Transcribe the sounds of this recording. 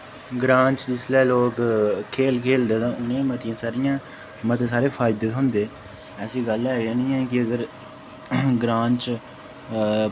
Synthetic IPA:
ɡɾãːɲt͡ʃd͡ʒɪslɛːloːkkʰeːlkʰeːld̪eːt̪ãːʊnːẽːmət̪ɪjãːsaːɾɪjãː | mət̪eːsaːɾeːpʰaːɪd̪ət̪ɦʊ̃ːnd̪eː | əsĩːɡəlɛːãːnĩːɛ̃ːkɪəɡəɾ | ɡɾãːɲt͡ʃ

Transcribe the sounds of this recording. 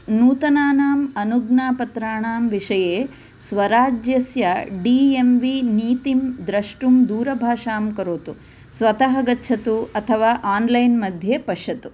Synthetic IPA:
nuːt̪ɐnaːnaːmɐnuɡnaːpɐt̪ɾaːɳaːmʋiʂɐjeː | sʋɐɾaːd͡ʒjɐsjɐɖiːemʋiniːt̪imd̪ɾɐʂʈumd̪uːɾɐbʱaːʂaːmkɐɾoːt̪u | sʋɐt̪ɐɦɐɡɐtːt͡ʃʰɐt̪uɐt̪ʰɐʋaːʔaːnlɐjnmɐd̪ʱjeːpɐʂjɐt̪u

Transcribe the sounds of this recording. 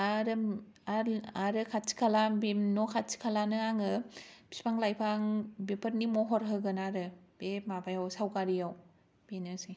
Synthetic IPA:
aɾɯ | aaɾɯkʰat̚t͡ʃi̥kʰalabenɔkʰat̚t͡ʃi̥kʰalanɯaŋɯbʰi̥spʰaŋlajpʰaŋbepʰəɾnimɔɦɔɾɦɯɡɯnaɾɯbemabajawsawkaɾijaw | b̥enɯsi

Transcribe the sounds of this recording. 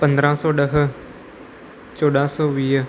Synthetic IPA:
pə̃nd̪ɾãːsɔːɗəɦ | t͡ʃoːɗãːsɔːʋiːɦ

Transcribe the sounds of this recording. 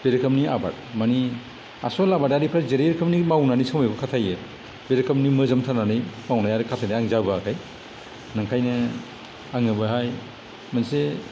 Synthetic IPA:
b̥eɾkʰamniʔaba̰t̚ | mani | a̰sɔlabadaɾipʰazeɾeɾkʰamnimawnanisawmajbɯkʰatʰaje | beɾkʰamnimɯzamtʰananɯjmawnajaɾikʰatʰajnaaŋzabakʰaj | naŋkʰajnɯ | aŋɯbaɦaj | manse

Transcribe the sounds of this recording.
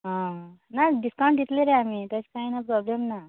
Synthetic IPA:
ɦãnaɖiskaw̃ɳʈ̪it̪leɾeamiːt̪ət͡ɕkainapɾɔblemna

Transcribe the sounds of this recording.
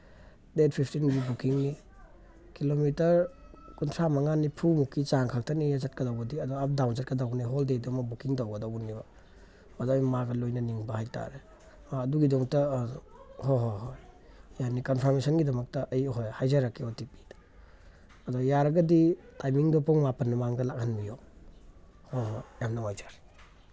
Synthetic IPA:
det̚pʰipʰtinɡibukiŋni | kilomitɐɾkuntʰɾamɐŋanipʰumukʰːit͡ʃaŋkʰak̚tʰɐnijazat̚kɐdawɡɐdiɐdɔap̚dawnd͡ʒɐt̚kɐdawniɦoldedɔmɐbukiŋdawɡɐdawɡnibɐ | mɐdamimaɡɐlojnɐniŋbɐhajta̰ɾe | aːduɡidɔŋtɐ | hoɦohoj | janikɔnpʰɔɾmesɔnɡidɐmɐk̚tɐʔɐjɦojhajzaɾakːeɔtip̚i̥d̥ | ɐdɔjaɾɐɡɐditajmiŋdɔpʰɔŋmapɐnːumaŋɡɐlak̚hanbijɔ | hoɦojamnaŋajd͡ʒaɾ

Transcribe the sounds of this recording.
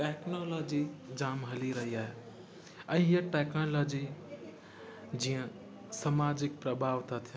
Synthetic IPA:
ʈeknolɔd͡ʒid͡ʒamɦəliɾəɦiaɦe | ə̃ĩjəʈɛknɔlɔd͡ʒi | d͡ʒiə̃ | samad͡ʒɪk̚pɾəbʱaʋt̪ʰət̪ʰj

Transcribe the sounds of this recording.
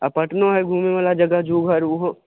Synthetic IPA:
ɐpɐʈnõɦɛɡʱuːmeʋɐlad͡ʒɐɡəd͡ʒuːɡʱɐɾʊɦo

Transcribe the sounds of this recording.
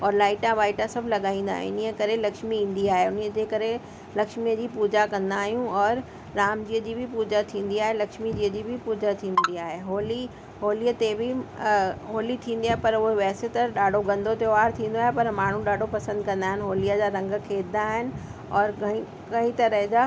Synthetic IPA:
ɔːɾlaːɪʈãʋaːɪʈãsɐbʱlɐɠaːĩːnd̪a̰ːɦḛʊnijəkɐɾelɐkʃmiĩːn̆d̪iaːɦeʊniəd͡ʑeːkɐɾe | lɐkʃmijəd͡ʑiːpuːd͡ʑakɐ̃nd̪aːɦijũɔːɾː | aːmd͡ʑiːəd͡ʑiːbʱɪpuːd͡ʑat̪ʰĩːn̆d̪iaːɦelɐkʃmid͡ʑiːəd͡ʑiːbʱɪpuːd͡ʑat̪ʰĩːnd̪iaːɦeɦoːli | ɦoːliət̪ebɪ | ɦoːlit̪ʰĩːnd̪iaːɦepɐɾʊɦeʋɛːset̪ɐɗaːɖʱoɡɐ̃nd̪ʱot̪eoaːɾt̪ʰĩːn̆d̪oaːɦepɐɾmaːɳ̤ũɗaːɖʱopɐsə̃nd̪̚kɐ̃nd̪aːɦɪnɪɦoːlijad͡ʑaɾɐ̃ŋɡkʰeːt̪̚d̪aːɦɪnɪ̆ | ɔːɾ̃ | kɐɦĩt̪ɐɾəɦd͡ʑa

